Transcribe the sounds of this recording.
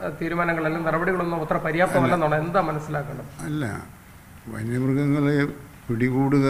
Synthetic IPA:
t̪iːɾumaːnɐŋːɐɭelːumnɐrɐbɐɽiɣɐɭonːumot̪ːɐrɐpɐɾijaːt̪ːɐmɐlːenːoːɳɐme̞nːɐd̪aːmːɐnɐsːilaːkːɐɳɐmɐlːɐ̰ | ʋɐ̰nːɐʋrɣɐŋːɐɭe | piɽiɣuːɽuɣɐ

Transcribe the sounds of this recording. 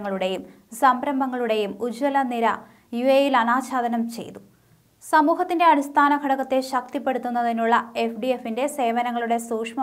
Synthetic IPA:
ŋːɐɭuɽe̞jum | sɐmbɾɐmbʱɐŋːɐɭuɽe̞jumud͡ʑwɐlɐniɾɐ | juejilɐnaːt͡ɕaːd̪ɐnɐmt͡ɕe̞̰jt̪u̥ | sɐmuːɦɐt̪ːinde̞ɐɽist̪ʰaːnɐɡʱɐɽɐkːɐt̪ːe̞ɕɐk̚t̪ipːe̞ɽut̪ːunːɐðinuɭːɐefɖiefːinde̞se̞ːʋɐnɐŋːɐɭuɽe̞suːkʂmɐ

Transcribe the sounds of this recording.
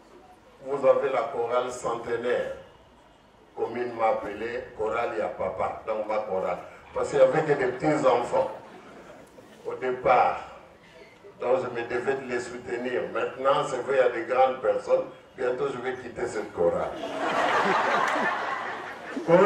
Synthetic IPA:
vuzavelakɔʁalsɑ̃t̪ənɛːʁ | kɔmynmãːpəlekɔʁaleapapa̰d̪ɔ̃ŋkmakɔʁa̰lpaʁskəʒavɛkəd̪epət̪it̪zɑ̃fɑ̃ | od̪epaːʁ | d̪ɔ̃kʒəməd̪əvɛd̪əlesut̪əniːʁmɛ̃t̪nɑ̃sɛvʁɛad̪eɡʁɑ̃d̪pɛʁsɔn | bjɛ̃nt̪oʒəvɛkit̪esɛt̪̚kɔʁa̰l | kɔ

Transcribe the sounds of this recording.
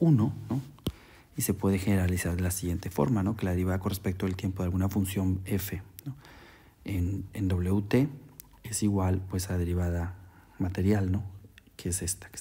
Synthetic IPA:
uno̞no | ise̞pwe̞ðe̞xe̞ne̞ɾalisaɾðe̞lasiɣje̞nt̪e̞fo̞̰ɾmano̞ke̞laðiβaðako̞nrespe̞k̚t̪oelt̪je̞mpoðalɣunafunsjo̞ne̞fe̞no | enend̪o̞β̞le̞ut̪e̞ | esiɣwalpwe̞sað̞e̞ɾiβ̞aða | mat̪e̞ɾjalno̞keese̞st̪ḁke̥

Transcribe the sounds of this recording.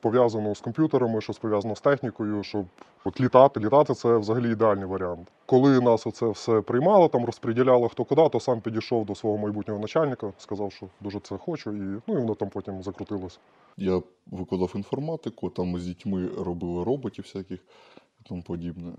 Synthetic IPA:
pɔʋʲjazɐnɔskɔmpʲjut̪eɾɐmɪʃt͡ʃɔspɔʋʲjazɐnɔst̪ɛxnʲikɔjʊʃt͡ʃɔb̚ | ɔt̪lʲit̪ɑt̪ɪlʲit̪ɑt̪ɪt̪sɛʋzɐɦɐlʲiːd̪eɑlʲnɨjʋɐɾʲɪant̪ | kɔlˠɪnɑsɔt̪sɛwsɛpɾɪjmɑlˠɐt̪ɑmrɔspɾʲɪdʲilʲɑlˠɐxt̪ɔkʊd̪ɑt̪ɔsɑmpʲidʲijʃɔwd̪ɔsʋɔɦɔmɐjbutʲnʲɔɦɔnɐt͡ʃalʲnɪkɐskɐzɑwʃt͡ʃɔd̪uʒɛt̪sɛxɔt͡ʃʊinuiʋɔnɔt̪ɑmpɔtʲimzɐkɾʊt̪ɪlˠɔsʲɐ | jaʋɪkˠɐd̪ɑfinfɔrmɑt̪ɪkʊt̪amːzʲdʲitʲmɪɾɔbɪlˠɪɾɔbɔtʲiwsʲakʲɪx | it̪ampɔdʲibnɛ

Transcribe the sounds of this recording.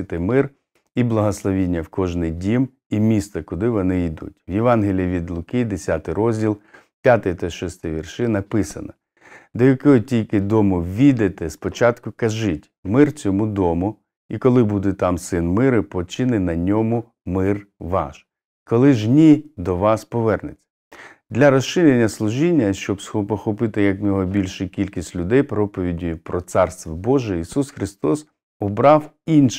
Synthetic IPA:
ɪt̪ɪmɪr | iblˠɐɦɔslˠɔʋʲinʲːɐwkɔʒnɪjdʲim | imʲist̪ɐkʊd̪ɪʋɔnɪid̪ṵtʲʋjeʋɑnɦelʲijɐʋʲid̪lˠʊkijd̪esʲat̪ɪjɾɔzʲdʲilˠ | pʲjat̪ɪjt̪ɔʃɔst̪ɪʋʲirʃɪnɐpɪsɐnɐ | d̪ɔjɐkɔɔtʲilʲkɪd̪ɔmʊʋʲid̪et̪ɛspɔt͡ʃɑt̪kʊkɐʒɪtʲmɪrt͡sʲɔmud̪ɔmʊ | ikɔlˠɪbud̪ɛt̪ɑmsɪnmɪɾɪpɔt͡ʃɪnɪnɐnʲɔmʊ | mɪrʋɑ̰ʃ | kɔlˠɪʒnʲid̪ɔʋɑspɔʋɛrnɪt͡sʲːɐ̥ | d̪lʲɐɾɔsʃɪɾʲenʲːɐslˠʊʒinʲːɐʃt͡ʃɔbsxɔpɔxɔpɪt̪ɪjɐkmʲɔɦɔbʲilʲʃɪkʲilʲkʲisʲtʲlʲʊd̪ɛjpɾɔpɔʋʲidʲipɾɔt̪sɑrst̪ʋɔbɔʒɛisusxɾɪst̪ɔs | ɔbɾɑw | inʃ

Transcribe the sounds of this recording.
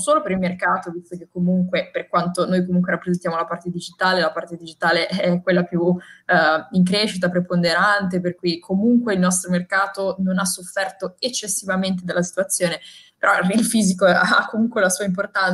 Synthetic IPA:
soːlopeɾilmerkaːt̪ovist̪ok̟ekːomuŋkweperkwant̪onojkomuŋk̬weɾapːɾezent̪jaːmolapart̪ed̪id͡ʒit̪aːlelapart̪ed̪id͡ʒit̪aːleʔɛɛkːwelːapju | iŋk̬ɾeʃit̪̬apɾepond̪eɾant̪̬eperkujkʰomuŋkweilnɔst̪ɾomerkaːt̪ononasːofːɛrt̪oet͡ʃːesːivament̪ed̪alːasi̥t̪uat̪sːjoːnepeɾʔɔilfiːzikoa̰kːomuŋkwelasuːaimp̬ort̪an

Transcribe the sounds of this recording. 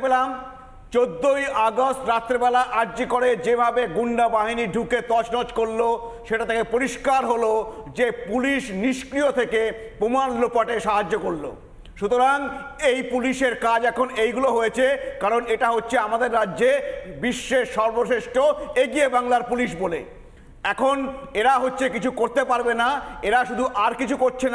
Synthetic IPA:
belam | t͡ɕod̪ːojʔɔɡosʈɾat̪ːɾebɛlaʔaɾd͡ʑikoɾed͡ʑebʱabeɡuɳɖabaɦiniɖʱuket̪ɔt͡ɕnɔd͡ʑkoɽːo | ʃeʈat̪ʰekepoɾiʃkaɾɦolod͡ʑepuliʃniʃkɾijot̪ʰekepɾomanlopaʈeʃaɦad͡ʑːokoɽːo̰ | ʃut̪oɾaŋejpuliʃeɾkad͡ʑɛkʰonejɡuloɦojet͡ɕʰekaɾoneʈaɦotːɕʰeamad̪eɾːaːd͡ʑebiʃːeʃːɔɾboʃeʃʈoeɡiebaŋlaɾpuliʃ̬bolḛ | ɛkʰoneɾaɦotːɕʰekit͡ɕʰukoɾt̪epaɾbenaeɾaʃud̪ʱuʔaɾkit͡ɕʰukoɾt͡ɕʰen

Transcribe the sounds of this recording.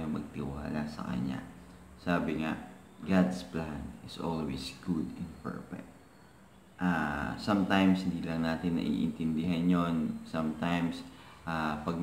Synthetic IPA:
joŋmɐɡ̚t̪ɪwa̰ːlasɐ̰kɐ̰ɲa̰ | saːbɪŋa̰ | ɡad̪splanɪsʔo̰lwḭsɡud̪ɪ̃npɛ̰ɹfɛ̰k̚t̪̚ | ʔasɐmt̪ajmshɪnd̪iːlɐŋnaːt̪ɪnːɐ̰ʔḭʔɪ̰nt̪ɪnd̪ɪɦanjonsamt̪ajms | ʔapɐɡ̚n

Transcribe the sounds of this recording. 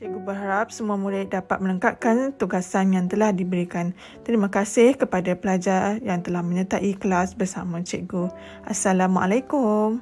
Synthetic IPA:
t͡ʃɛʔɡubərɦaɾap̚səmũamulaʔ̚dapat̪̚mə̃ləŋkat̪̚kant̪uɡasanjaŋt̪əlahdibəɾikan | t̪əɾimãkasɪhkəpadapəlad͡ʒarjaŋt̪əlahmə̃ɲə̃t̪aʔikəlasbərsa̰mãt͡ʃɛʔɡu | ʔasalamʔa̰lajkʊm

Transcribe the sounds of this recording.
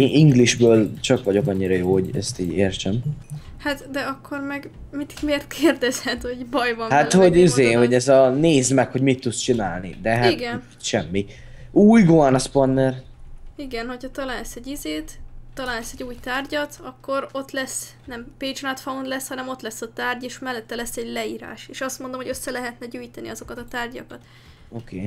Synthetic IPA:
ʔiŋɡliʒbøːlt͡ʃɒkʋɒɟo̞kɒɲːiɾɒjoːhoɟɛ̰st̪iːɟeːrt͡ʃɛmhat̪d̪ɛɒkʰːo̞rmɛɡmit̪i̥kmeːrt̪̚kʰeːrd̪ɛzhɛt̪hoɟbɒjvɒmhat̪hoɟizeːho̞ɟɛzɒneːzmɛkho̞ɟmit̪ːut̪st͡ʃinaːlnḭd̪ɛɦaiɡɛn | ʃɛmːi | uːjɡoɔnsponːɛriɡɛnho̞chɒt̪ɒlaːlɛsɛɟizeːt̪t̪ːɒlaːnlɛsɛɟuːjt̪aːrɟɒt̪ɒkːo̞ɾo̞t̪lɛs | nɛmpeːd͡ʒnat̪fɒund̪lɛshɒnɛmo̞t̪lɛsːɒt̪aːrɟeːʃmɛlːɛt̪ːɛlɛsːɛɟlɛiːɾa̰ːʃeːʃɒst̪mo̞nd̪o̞mho̞ɟøsːɛlɛɦɛt̪nɛɟøːjt̪ɛnḭɒzo̞kɒt̪ɒt̪aːrɟɒkɒt̪ | okʰeː

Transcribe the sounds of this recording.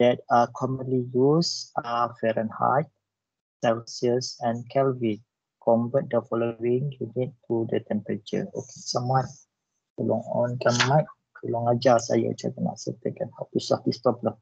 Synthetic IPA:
d̥ɛt̚akʰɔmə̃nlijusafɛɾə̃nha̰t̚ | sɛlsiəsɛ̃nkʰɛlvit | kʰɔmbət̚dəfɔloĩŋjunit̚t̪udət̪ɛ̃mpɾət͡ʃə̰o̰ke̥samat̪̚ | kəlɔŋɔ̃nkanmãjk̚ | kʰəlɔŋad͡ʒasa̰ja̰t͡ʃa̰ɾəna̰ʔsət̪əkanhatusafdist̪ɔblə

